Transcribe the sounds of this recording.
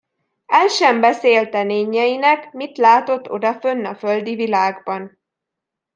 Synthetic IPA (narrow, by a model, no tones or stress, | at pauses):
ɛlʃɛmbɛseːlt̪ɛneːɲːɛjinɛkmit̪laːt̪o̞t̪ːo̞̰d̪ɒfønːɒføld̪ivilaːɡbɒn